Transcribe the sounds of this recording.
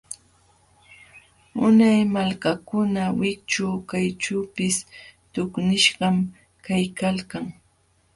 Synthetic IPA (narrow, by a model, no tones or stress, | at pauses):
ʊnajmalkakʊnawɪk̚t͡ʃaːkajt͡ʃuːpɪst̪ʊknɪʃɢɑm | kajkalkaŋ